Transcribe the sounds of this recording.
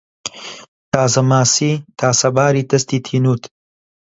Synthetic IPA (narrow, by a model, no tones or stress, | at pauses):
t̪ʰaːzɐmaːsiːt̪ʰaːsɐbaːɾiːt̪ɐst̪iːt̪ʰiːnuːt̪ʰ